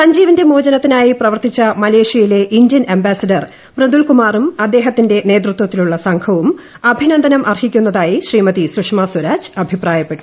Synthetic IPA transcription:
sɐɲd͡ʑiːʋɐnde̞moːd͡ʑɐnɐt̪ːinaːjiprɐʋɐrt̪it͡ɕːɐmɐle̞ːʂjɐjile̞ʔindjɐnembaːsɐɖɐr | brend̪uɭkumaːrumɐd̪ːe̞ːɦɐt̪ːinde̞ne̞ːd̪rut̪wɐt̪ːiluɭːɐsɐŋkʰɐʋum | ɐbʱinɐnd̪ɐnɐmʔɐrhikʲːunːɐðaːjiɕriːmɐt̪isukʂmɐswɐɾaːd͡ʑɨɐbʱipraːjɐpːeʈːu̥

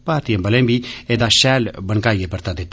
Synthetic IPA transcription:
paɾt̪ijɛmbəlembiɛd̪aʃɛlbənkajɡepəɾt̪ad̪ɛt̪

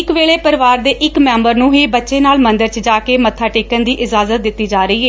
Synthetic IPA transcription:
ɪkʋeːɭeːpəɾʋaːɾd̪eːʔɪkmɛ̃ːmbəɾnũːɦiːbət̪ːʃeːnaːlmə̃nd̪əɾt͡ʃd͡ʒaːkeːmət̪ʰːaːʈeːkənd̪iːʔɪzaːzət̪̚d̪ɪt̪ːiːd͡ʒaːɾəiːɛː

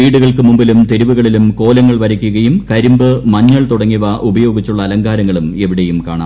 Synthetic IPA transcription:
iːɽuɣɐɭkɨmumbilumt̪eɾiʋuɣɐɭilumko̞ːlɐŋːɐɭʋɐɾɐkʲːuɣɐjumkɐɾimbɨmɐɲːɐɭt̪uɽɐŋːiʋɐʔubɐjo̞ːɡit͡ɕːuɭːɐːlɐŋɡaːɾɐŋːɐɭume̞ʋiɽe̞jumkaːɳaː

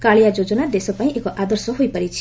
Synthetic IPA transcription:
kaɭijad͡zod͡zonad̪esopaĩʔekoʔad̪ʌrsʌɦujpʌɾit͡sʰ

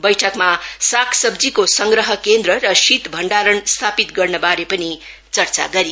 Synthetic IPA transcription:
bʌjʈʰʌkmasakʰsʌbd͡zikosʌŋɡɾʌɦʌkend̪rʌrʌsit̪bʱʌɳɖaɾʌnst̪ʰapit̪ɡʌrnʌbaɾepʌni | t͡sʌrt͡sa̰ɡʌɾi

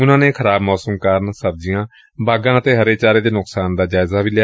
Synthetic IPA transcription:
ʊnãːnẽːkʰəɾaːbmɔːsəmkəɾnsəb̚d͡ʒɪjãː | baːɡãːət̪eːɦəɾeːt͡ʃaːɾeːd̪eːnʊksaːnd̪aːd͡ʒaːɪzaːʋilja

